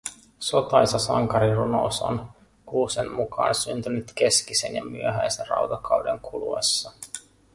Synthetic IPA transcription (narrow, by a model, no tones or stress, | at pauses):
so̞t̪ɑjsɑsɑŋkɑɾiruno̰so̰n | kuːsemmukɑ̰ːnsynt̪ynyt̪ke̞skisenjɑmyøɦæjserɑ̰wt̪ɑkɑwdeŋkʰuluḛsːɑ